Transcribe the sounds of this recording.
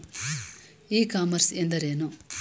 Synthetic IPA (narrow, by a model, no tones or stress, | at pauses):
iːkaːmɐɾsend̪ɐɾeːnu